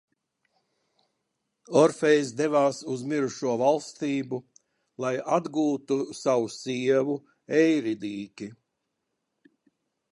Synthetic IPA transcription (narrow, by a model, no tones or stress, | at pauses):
ɔɾfejsd̪evaːsuzmiɾuʃuɔvalˠst̪iːbu | lˠajad̪ɡuːt̪usawusiɛvu | ɛjɾid̪iːkʲi